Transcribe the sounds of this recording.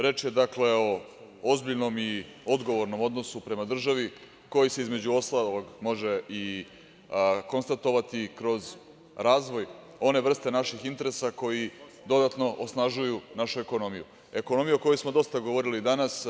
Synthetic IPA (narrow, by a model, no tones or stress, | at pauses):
ɾe̞t͡ʃje̞d̪akle̞o̞ | ozbiʎno̞mio̞d̪ɡo̞ʋo̞ɾno̞mo̞d̪no̞supɾe̞mad̪r̩ʒaʋi | ko̞jise̞izme̞d͡ʑuo̞st̪aloɡmo̞ʒei | ko̞nst̪at̪o̞ʋat̪ikɾo̞z | ɾaːzʋo̞j | o̞ne̞ʋr̩st̪e̞naʃixint̪e̞ɾesako̞jid̪o̞d̪at̪no̞ʔosnaʒujunaʃue̞ko̞no̞mijṵ | e̞ko̞no̞mijuoko̞josmod̪o̞st̪aɡoʋo̞ɾilid̪anas